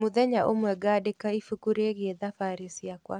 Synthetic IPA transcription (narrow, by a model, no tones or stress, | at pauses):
moðɛɲaʔomwɛɡaːdekaifukuɾeɣeðafaɾisiakwa̰